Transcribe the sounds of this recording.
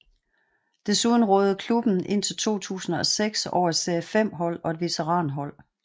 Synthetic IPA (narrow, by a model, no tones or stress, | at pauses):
d̥e̝suðˠn̩ʁɔːð̩ˠkʰlub̥n̩ʔe̝n̰t͡sʰe̝lt͡sʰo̝̰ːt͡sʰṵːsn̩ɒ̽seɡ̥sɒ̰ʊ̰ɐ̥seæfem̰ɦɒ̽l̰ɒ̽e̝dʋe̝t͡sʰeʁɑ̈ːnɦɒ̽l̰